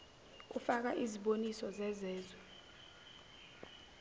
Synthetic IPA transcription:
ufak̬aʔiziɓonisɔzɛzɛːzwɛ

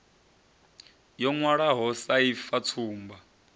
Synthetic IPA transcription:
jɔŋwaɺaɦɔsaifat͡sʰuːmba

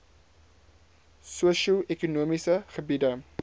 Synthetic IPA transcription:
suəʃuʔɛkunuəmisəχəbidə

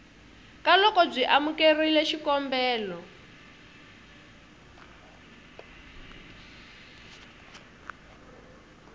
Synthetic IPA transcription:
kalɔkɔb͡ʐʷiʔamukerilɛʃikɔmbɛːlɔ

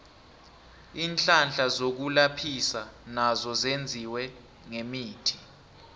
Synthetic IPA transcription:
iːnt͡ɬʼand͡ɮʱʼazok̬ulapʰisanazɔzend͡zʱiwɛ | ŋemiːtʰi̥

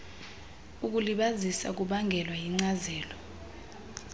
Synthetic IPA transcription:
uk̬uliɓazisa̰k̬uɓaŋɡʱɛlwajiŋ͡ǀazɛːlɔ

